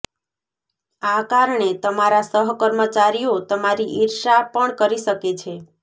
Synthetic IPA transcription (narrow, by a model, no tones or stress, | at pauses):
akaɾɳet̪əmaɾasəɦkəɾmət͡ʃaɾijot̪əmaɾiʔɪɾʃapəɳkəɾiʃəket͡ʃʰe